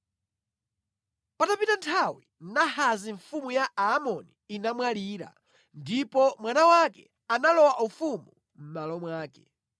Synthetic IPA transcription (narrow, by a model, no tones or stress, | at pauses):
patapitantʰawin̩nahaziɱfumujaaːmɔniːnamwaliːɾa̰ | ndipɔmwanawakɛ̰ | analɔwaʔufumu | m̩malɔmwaːkɛ̥̰